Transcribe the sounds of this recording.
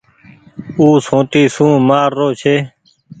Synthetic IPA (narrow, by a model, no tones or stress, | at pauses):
uːsõːt̪iːsũːmaːɾːoːt͡ʃʰeː